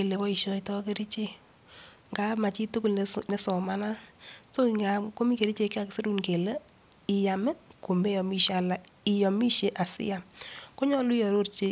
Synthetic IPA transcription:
e˨le˨wɔ˦i˨ʃɔ˧i˨tɔ˦ke˦ɾi˦t͡ʃe˦ | ŋɡa˦ma˨t͡ʃi˦tʊ˦kʊ˨lnnɛ˨sɔ˨ma˦na˦so˦i˨ŋa˨ko˦mi˦ke˨ɾi˦t͡ʃe˦˧ke˦a˦kse˦ɾu˦nke˨lə˦ | ɪ˨ja˨mɛ˦ko˨me˦jɔ˨mi˦ʃa˨la˨i˨jɔ˨mi˦ʃe˦ʔa˨sɪ̰˦ja˨mko˦ɲɔ˦lu˦i˦jɔ˨ɾo˦ɾt͡ʃe˨

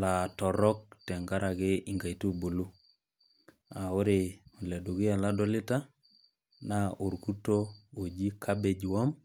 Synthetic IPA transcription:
la˨tɔ˨ɾɔ˦k̚tɛ˨ŋɡa˦ɾʔa˨ɣɪ˦i˦ŋɡa˨i˨tu˦bu˨lu˦ | a˨o˦ɾe˨u˨le˨du˨ɣi˦a˨la˦dɔ˦lɪ˦ta˦ | na˦o˨ɾku˦to˦o˨d͡ʒi˦kʰa˦be˨d͡ʒwɔ˦m

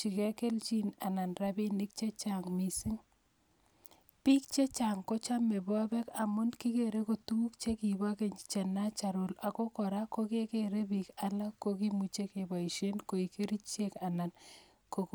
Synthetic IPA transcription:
t͡ʃi˨ke˦ke˦lt͡ʃi˦na˨na˨nra˦bi˦nɪ˦k̚t͡ʃe˦t͡ʃa˨ŋmi˨si˦ŋ | pi˦k̚t͡ʃe˦t͡ʃa˨ŋko˦t͡ʃa˦me˨bɔ˦bɛ˦ka˨mʊ˦nkɪ˦keɾe˦ko˨tu˦k̚t͡ʃe˦ki˨ba˦ke˨ɲt͡ʃe˨na˦t͡ʃa˨ɾʊ˨la˨ko˦kɔ˨ɾa˦ko˦ke˦ke˦ɾe˦bika˦la˦kːo˦ki˦mu˦t͡ʃe˦ke˨ba˨i˨ʃe˦nko˨i˨ke˦ɾi˦t͡ʃe˦ka˨na˨n | ko˨

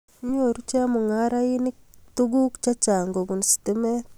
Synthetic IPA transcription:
ɲoɾu˦t͡ʃa˦mu˨ŋaɾa˦ini˦k̚tuɡu˦kt͡ʃa˦t͡ʃa˨ŋɡo˨bu˨nsi̥timɛ˦t

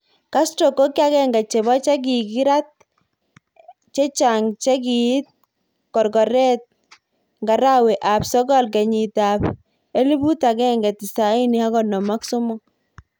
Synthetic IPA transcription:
ka˦stɾɔ˨ko˦ka˦kɛ˦ŋɡa˨t͡ʃɛ˨βɔ˦t͡ʃɛ˦k̬i˨ki˦ɾa˦t̚ | t͡ʃɛ˦t͡ʃa˨ŋt͡ʃɛ˦ki˨i˦t̪̚ | kɔ˨ɾɡɔ˨ɾɛ˦t̚ | ŋɡa˨ɾa˦wɛ˨ʔa˨psɔ˦ɡɔ˦lkɛ˨ɲi˨ta˨p | e˦li˦bu˦ta˨kɛ˦ŋɡɛ˨ti˨sa˨i˦ni˨ha˦ɡɔ˨nɔ˨ma˦kso˦mɔ˦

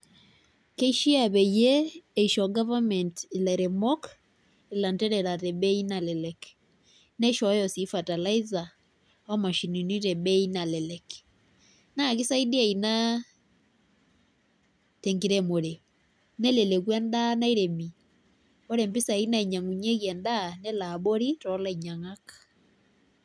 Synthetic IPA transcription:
ke˦iʃi˦aβɛ˨jɛːiʃɔɡavamɛntilaɾɛmɔk | ila˨ntɛɾɛɾa˨ɾɛbɛinalɛlɛk | nɛʃɔ˦jɔsifata˨laiza | ɔ˦ma˨ʃi˨nini˦ɾɛbɛinalɛlɛk | na˨ki˦sa˦idi˦a˨i˨na˦ | tɛ˨ŋɡi˦ɾɛ˨mo˨ɾe˨ | nɛ˦lɛ˨lɛ˨kwɛ˦nda˦na˦i˦ɾɛ˨mi˨ | o˦ɾɛ˨mbi˦sa˨i˦na˦i˨ɲa˨ŋu˨ɲe˦ɣɛ˨nda˦nɛ˦la˨ɓo˦ɾi˦tɔ˦la˦i˨ɲa˨ŋa˦ka

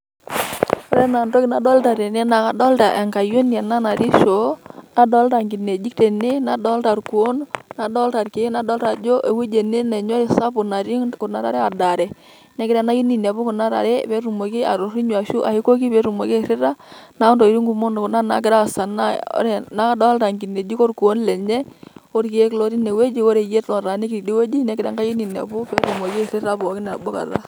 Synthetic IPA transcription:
ɔ˨˦ɾɛ˦na˨ndo˦ki˨na˨dɔ˦lta˨ɾe˨nɛ˦na˨ka˨dɔ˦lta˨ʔɛ˨ŋka˨jo˦n˦a˨na˦na˨ɾi˦ʃo˨˦na˦dɔ˦lta˨ŋɡi˨ne˨d͡ʒi˦k̚te˨ne˦na˨dɔ˦lta˨ɾku˨o˦nna˨dɔ˦lta˨rke˨˦na˨dɔ˦lɾa˨d͡ʒo˦ʔe˨we˦d͡ʒe˨ne˦nɛ˨ɲɔ˦ɾi˦˨sa˦pʊ˨na˨ɾi˦kʊ˨na˨ɾa̰˦ɾɛ˦a˨da˨ɾɛ˨ | nɛ˦kɪ˦ɾa˦na˦ji˦ni˨n˨a˨βu˦kʊ˨na˦ɾa̰˨ɾɛ˦pe˦ɾu˨mo˨ki˦a̰˨ɾo˨ɾi˦ɲwa˨ʃu˦ʔa˨hi˦ko˦ki˦pe˨˦ɾu˨mo˨ke˦˨ɾɪ˦ɾa˦na˦ɔ˦ndɔ˨i˨˦ɾi˦ŋɡu˨mo˦n˨na˦na̰˨˦kɪ˦ɾa˦˨sa˨na̰˦ɾɛ˨na˦dɔ˦lta˨ŋɡi˨ne˨d͡ʒi˦ko˦ɾku˨o˦nlɛ˨ɲɛ˦o˦ɾki˨˦e˦klo˦ɾi˦ne˨we˦d͡ʒi˦o˦ɾe˨je˦tlɔ˨ɾa˨ne˦ki˨ɾi˨di˦we˦d͡ʒi˦nɛ˨˦kɪ˨da˦ŋɡa˦ji˦ni˨na̰˨bu˦pe˦ɾu˨mo˨ki˦˨ɾɪ˦ɾa˦bo˨ki˦nɛ˨bo˦ka̰˨ta̰˦

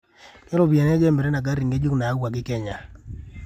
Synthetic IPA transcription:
kɛ˦lo˦˨bi˨a˨n˦d͡ʒɛ˦mɛ˨ɾe˦na˨ɡa˦ɾi˨ŋɡe˦d͡ʒo˦knaː˨˦wa˨ɡɪ˦kɛ˦ɲa˨

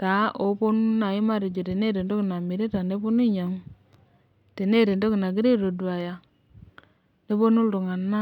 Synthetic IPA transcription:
ta˨˦ʔo˨˦po˦n˦na˨ɪ˦ma˦˨ɾi˨d͡ʒo˨te˨ne˦ɾe˨ndo˦kna˨mi˨ɾe˦ta˨ne˦po˦ni˦ɲa˨ŋ | te˨ne˦˨ɾe˨ndo˦ki˨na˨ɡi˦ɾe˦ɾo˨du˨a˨ja˨ | ne˦po˦nu˦lto˨ŋa˨nːa˦

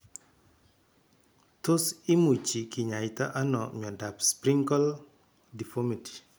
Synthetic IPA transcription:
to˦si˦mu˨t͡ʃi˨ki˨ɲa˨ɪta˦ʔa˦nɔɲɔ˨da˨pspɾiŋkɔ˦l | di˨fomiti̥˨

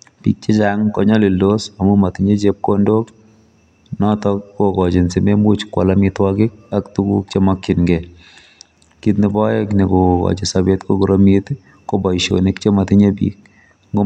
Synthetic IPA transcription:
pḭ˨k̚t͡ʃe˦t͡ʃaŋkɔ˦ɲɔ˦li˨ldo˦sa˨mʊ˦ma˨tɪɲe˦d͡ʒe˦p̚ko˦ndo˦k | nɔ˦tɔkːo˦kɔ˨d͡ʒɪ˨nsɪ˨me˦mu˦t͡ʃkwɔ̰˨lamɪtwaɡɪ˦k̚a˦ktu˦ɡṵ˦k̚t͡ʃe˦mɔkːɪ˨nŋɡɛ | kit̪̬nɪ˨bɔɛkni˨ko˨kɔ̰˨d͡ʒɪ˨sa˨be˦tko˦ɡu˨ɾo˦mit̪ | ko˦bɔ˨ʃo̰nɪ˦kt͡ʃe˦ma˨tɪ˦ɲe˦bḭk̚ | ŋɡo˦

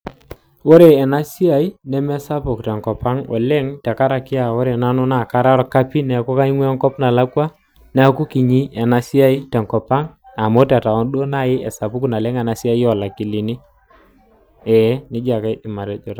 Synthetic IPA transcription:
o˦ɾe˨ɛ˨na˦si˦a˨i˦nɛ˦mɛ˦sa˦pʊ˨ktɛ˨ŋkɔ˨pa˦ŋɔ̰˨le˦ŋtɛ˨ka˦ɾa˨kɪ˦a˨wo˦ɾe˨na˦nʊ˦na˨ka˦ɾa˦ɾɔ˨ka˦pi˦nɛ˨ku˦ka˦i˦ŋwɛ˦ŋkɔ˦pna˨la˦kwa˦ | nɛ˨˦ku˦ki˨ɲi˦ɛ˨na˨si˦a˦i˦tɛ˨ŋkɔ˨pa˦ŋ | a˨mo˦ta˨ta˨ɔ˦nɗo˦na˦jɪ˦ʔɛ˨sa˨pʊ˦kna˨lɛ˦ŋa˨na˨˦si˦a˦ɔ˨la˨ki˨li˨ni˦ | ɛ˨˦nɪ˦d͡ʒa˨ka˦i˦dɪ˨ma˨ɾɛ˦d͡ʒɔ˨ta˨˦

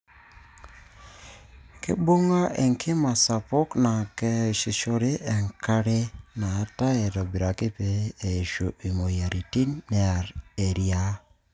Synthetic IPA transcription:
kḛ˦bo˦ŋa˦ʔe˨ŋkʰɪ˦ma˨sa˨pɔ˦kna˨ke˦˨ʃi˨ʃɔ˦ɾe˦ʔɛ˨ŋka˦ɾe˦naː˨˦ta˦e˨ɾɔ˨bi˨ɾa˨ki˦peː˨˦˨ʃo˨ʔi˨mo˨ja˨ɾi˨ti˦nːɛ˦a˨ɾe˨ɾja˦

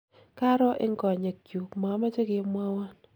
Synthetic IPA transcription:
ka˦ɾɔ˦ʔɪ˦ŋɡɔ˨ɲa˨kju˨kma˨˦ma˦d͡ʒo˦ɡɪ˦mwa˦wa˦n

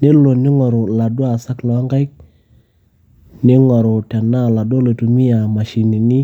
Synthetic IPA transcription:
ne˦lo˨nɪ˦ŋɔ˨ɾo˨la˨dwa˨sa˦klɔ˨a˦ŋka˦jk̚ | nɪ˦ŋɔ˨ɾo˨ta˨na˦˨la˨do˦lo˨tu˨mi˦a˨ma˨ʃi˨ni˨ni˦

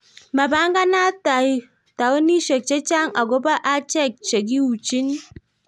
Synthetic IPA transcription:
ma˨ba˦ŋɡa˦na˦ta˨i˦ | ta˨wo˦ni˦ʃe˨k̚t͡ʃe˦t͡ʃa˦ŋa˨ɡo˦ba˦ʔa˦t͡ʃɛ˦˨k̚t͡ʃe˨k̬i˦wu˨t͡ʃi˦n

